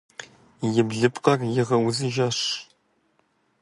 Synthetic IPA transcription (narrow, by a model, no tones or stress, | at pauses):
jɪbɮɨpqɐrjɪʁɐwʊzɨʒɐʂ